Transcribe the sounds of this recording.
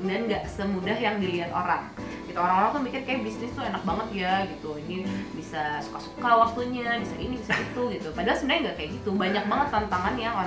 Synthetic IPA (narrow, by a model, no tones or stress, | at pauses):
danɡaʔsəmudaɦjaŋdiliat̪oɾa̰ŋ | ɡit̪uoɾaŋoɾaŋt̪umikɪrkajaʔbisnɪst̪uenak̚baŋət̪̚jaɡit̪uinibisasu̥kasu̥kawak̚t̪uɲabisaʔinibisait̪uɡit̪upadaɦalsəbənarɲaŋɡaʔkajaʔɡit̪ubaɲak̚baŋət̪ːant̪aŋanjao